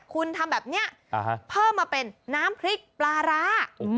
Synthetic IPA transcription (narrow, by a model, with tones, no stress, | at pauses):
kʰu˧nt̪ʰa˧mbɛː˨˩p̚ni˦˥ɐʔ | ɦpʰɤː˥˩mːaː˧pe˧nːaː˦˥mpʰɾi˦˥k̚plaː˧ɾaː˦˥